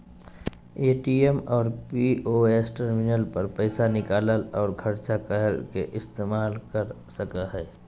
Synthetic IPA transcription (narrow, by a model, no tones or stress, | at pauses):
eːʈiemɔːɾpioesʈəɾmɪnəlpəɾpəɪsanɪkaːləlɔːɾɡʱəɾt͡ʃakəɦəlkeʔɪst̪eːmaːlkəɾ | səkaɦɛː